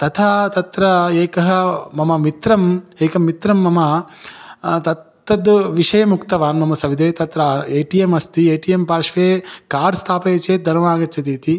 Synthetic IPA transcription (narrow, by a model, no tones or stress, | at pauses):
t̪ɐt̪ʰat̪ɐt̪ɾɐeːkɐɦɐ̆mɐmɐmit̪ɾɐmeːkɐmːit̪ɾɐmːɐmɐ | t̪ɐt̪ːɐd̪ʋiʂɐjɐmukt̪ɐʋaːnmɐmɐsɐʋid̪eːt̪ɐt̪ɾaːeːʈijemɐst̪ieːʈijempaːɾʂʋeːkaːɾɖst̪ʰaːpeːt͡ʃeːt̪̚d̪ʱɐɾʋaːɡɐt̪t͡ʃɐt̪iːt̪i